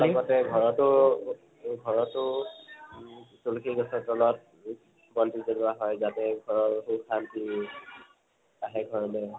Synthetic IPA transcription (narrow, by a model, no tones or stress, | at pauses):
laɡɔtɛɡʱɔɹɔtʊ | ɡʱɔɹɔtʊ | sulkʰiɡɔsɔtɔlɔt̚ | bɔntizɔnuaɦɔjzatɛɡʱɔɹɔɹxukʰanti | aɦɛɡʱɔɹɔlɛ